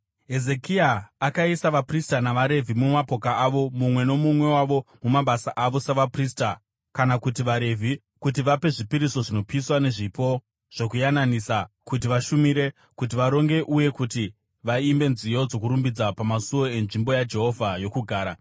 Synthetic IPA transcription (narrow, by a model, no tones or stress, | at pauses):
ɦe̞ze̞kiaːkaisaʋapristanaʋaɾe̞vʱimumapo̞kaaʋo̞mumwe̞no̞mumwe̞waʋo̞mumaɓasaʔaʋo̞saʋaprista | kanakutiʋaɾe̞vʱi | kutiʋape̞ʐipiɾiso̞ʐino̞piswane̞ʐipo̞ | ʐ̥o̞kujananisakut̬iʋaʃumiɾe̞ | kut̬iʋaɾo̞ŋɡe̞ʔuje̞kuti | ʋaimbe̞nzijo̞d͡zo̞kuɾumbid͡zapamasuo̞e̞nʐimbo̞jad͡ʒe̞ɦo̞vʱajo̞kuɡʱaːɾa